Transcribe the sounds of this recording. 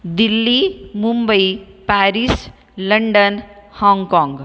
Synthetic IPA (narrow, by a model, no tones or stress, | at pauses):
d̪ilːimumbəipæɾis | ləɳɖənhɔ̃ŋɡkɔ̃ŋɡ